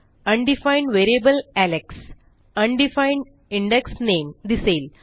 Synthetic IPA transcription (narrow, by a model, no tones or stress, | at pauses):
ɐ̃ɳɖifãɪ̃ɳɖʋeːɾiebəlæleks | ɐ̃ɳɖifãɪ̃ɳɖ | ĩɳɖeksnẽːmd̪iseːl